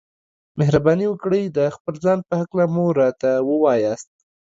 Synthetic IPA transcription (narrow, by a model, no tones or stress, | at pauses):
mehɾabɑniwəkɽəjd̪əxpəlzɑnpəhaklamoɾɑt̪awəwɑjɑst̪̚